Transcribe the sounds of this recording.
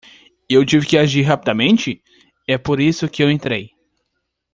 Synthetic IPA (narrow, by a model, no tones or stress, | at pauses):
ewt͡ʃivɪkɪaʒiɾɦapid̪amẽnt͡ʃɪ | ɛpoɾisʊkɪewẽnt̪ɾej